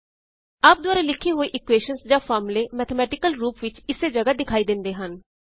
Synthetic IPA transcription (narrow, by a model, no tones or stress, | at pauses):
aːp̚d̪ʊaːɾaːlɪkʰːiːɦoːiːʔɪkʋeːʃənsd͡ʒãːpʰaːɾmleːmɛːt̪ʰəmɛːʈɪkəlɾuːpʋɪt͡ʃɪseːd͡ʒəɡaːd̪ɪkʰaːiːd̪ɪ̃nd̪eːɦən